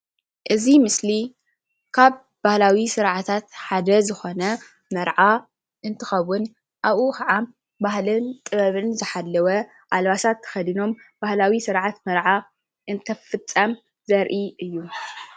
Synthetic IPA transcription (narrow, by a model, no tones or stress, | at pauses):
ʔɨzimɨsli | kʰaβ | bahlawisɨɾʕat̪ʰat̪ħad̪ɐzɨxo̞nɐ | mɐɾʕa | ʔɨnt̪ʰɨxɐβʊn | ʔaβʔukɐʕa | bahlɨnt̪ʼɨβɐβɨnzɨħalːɐwɐ | ʔalβasat̪ʰːɐ̥xɐd̪ino̞mbahlawisɨɾʕat̪mɐɾʕa | ʔɨnt̪ʰɐfɨt͡sʼːɐm | zɐɾʔiʔɨjːu